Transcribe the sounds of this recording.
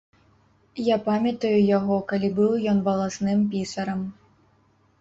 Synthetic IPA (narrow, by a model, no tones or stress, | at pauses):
japamʲɐt̪ɐjujaɣɔkalʲibɨwjɔnvɐlˠasnɨmpʲisɐɾɐm